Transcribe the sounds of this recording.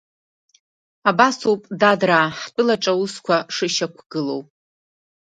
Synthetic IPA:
abasuwpʼdadraːħt͡pʷʼʊlaʈ͡ʂʼawuskʷʰaʂɨʃakʷʰɡ̥ɨlo̞wpʼ

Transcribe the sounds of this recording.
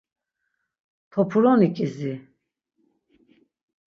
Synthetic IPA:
t̪ʰɔpʰuɾɔnikʼizi

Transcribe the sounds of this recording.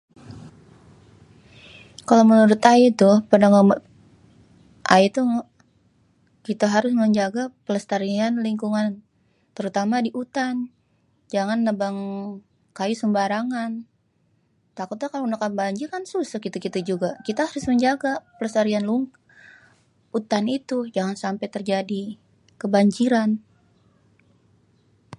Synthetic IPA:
kalamənuɾʊt̪ait̪ʊhpəndaŋam | ʔa̰it̪uŋ | kit̪aɦaɾʊsməɲd͡ʒaɡapələst̪aɾianliŋkuŋan | t̪əɾut̪amadiʔut̪an | d͡ʒaŋanːəbaŋ | kajusəmbaɾaŋan | t̪akʊt̪lakalonakabaɲd͡ʒiɾkansusəkit̪ukit̪ad͡ʒuɡakit̪aɦaɾʊsməɲd͡ʒaɡapələst̪aɾianluŋ | ut̪anit̪ud͡ʒaŋansampajt̪ərd͡ʒadi | kəbaɲd͡ʒiɾan

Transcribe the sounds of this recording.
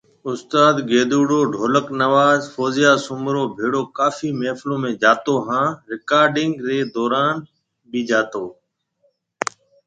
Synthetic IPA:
ʊst̪aːd̪ɡeːd̪uːɽoːɖʱoːləknəʋaːzfoːzɪjaːsʊmɾoːbʱeːɽoːkaːfiːmeːflõːmẽːd͡ʒaːt̪oːɦãːɾɪkaːɾɖɪŋɡɾeːd̪ɔːɾaːn | biːd͡ʒaːt̪oː

